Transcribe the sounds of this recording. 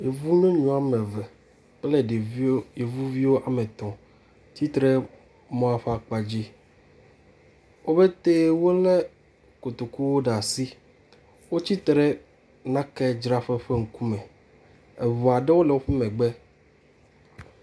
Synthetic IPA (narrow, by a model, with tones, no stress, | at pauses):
je˨vu˦nẽ˦ɲũ˨a˨mɛ̃˨vɛ˨˦ | lɛ˨ɖe˨vje˨vu˦vi˦wo˦ʔa˨mɛ̃˨t̪ɔ̃˨ | t̪i˦t̪ɾɛ˦ | mɔ̃˦a˨ɸa˦k͡pa˨d͡ʑi˦ | wo˦be˦t̪e˦wo˦le˦ | ko˨t̪o˨ku˦wo˦ɖa˨si˦ | wo˦t͡ɕi˦t̪ɾɛ˦ | nã˦kɛ˦d͡ʒɾa˦ɸɛ˦ɸe˦ŋ̩˨ku˦mɛ̃˨ | e˨vu˨a˨ɖɛ˦wo˦lɛ˨wo˦ɸɛ˦mɛ̃˨ɡ͡bɛ˦